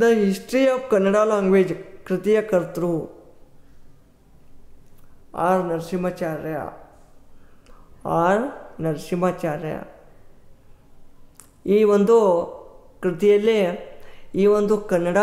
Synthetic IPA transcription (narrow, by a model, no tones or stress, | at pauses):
d̪əɦisʈɾijabkɐnːəɽalaːŋɡʋed͡ʒkɾɪt̪ijɐkəɾt̪ɾu | a̰ɾnɐɾsimat͡ʃaɾja̰ | aɾnɐɾsimat͡ʃaɾja̰ | iːʋɐnd̪o | kɾɪt̪ijele | iːʋɐnd̪ukɐnːəɽa